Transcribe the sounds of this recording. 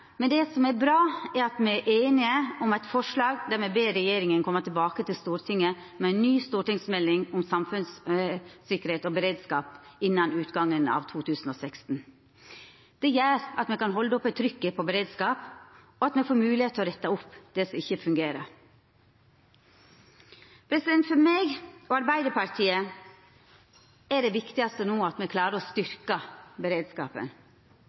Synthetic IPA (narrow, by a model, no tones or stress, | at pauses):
mɛnd̪ɛsɔmɛbɾɑːæɾɑt̪mɛʔeːnɪəʊmɛt̪fɔʂlɑːɡd̪æmɛbeːɾɛjeːɾɪŋənkʰɔmːət̪ɪlbɑːkət̪ʰɪlst̪uːɾt̪ʰɪŋːə | mɛæɪnnyːst̪uːʈɪŋsmɛlːɪŋʊmsɑmfʉns | sɪkːəɾeːt̪ɔbəɾeːd̪skɑːpɪnːɑnʉːt̪ɡɑŋːənɑ̰ːʋt̪ʰuːt̪ʰʉːsn̩oːsɛkst̪n̩ | d̪̥ɛjæːɾɑt̪mɛkɑnɦɔld̪əɔpːɛt̪ʰːɾʏkːəpʰɔbəɾeːd̪skɑːp | ɔɑt̪mɛfoːɾmʉːlɪheːt̪ʰːɔɾɛt̪ːɑʊpːd̪̥ɛsɔɪçəfʉŋɡeːɾəɾ | pʰɾɛsɪd̪ɛnt̪fɔɾmeːɡɔːɑɾbæɪd̪əɾpɑɾt̪ʰiːə | ɛɖɛʋɪkt̪ɪɑst̪ənuːɑt̪mɛkʰlɑːɾəɾɔst̪ʏɾkɑbəɾeːd̪skɑːpə̰n